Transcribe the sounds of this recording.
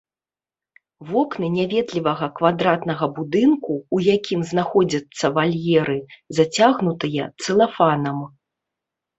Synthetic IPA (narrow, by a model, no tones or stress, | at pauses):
vɔknɨnʲavʲɛd̪lʲivɐɣɐkvad̪ɾat̪nɐɣɐbud̪ɨnkuːjakʲʰimznaxɔd͡zʲɐt̪sːɐvalʲjɛɾɨzat͡sʲaɣnut̪ɨjɐt̪sɨlˠafanɐm